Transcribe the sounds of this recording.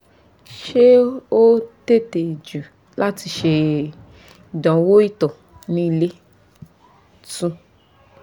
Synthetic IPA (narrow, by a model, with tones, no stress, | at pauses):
ʃe˦o˦te˦˨te˨i˨d͡ʒu˨ | la˦ti˧ʃe˧ | i˨dɔ̃˨˦wo˦i˦˨tɔ˨ | nĩ˦i˧le˦ | tũ˧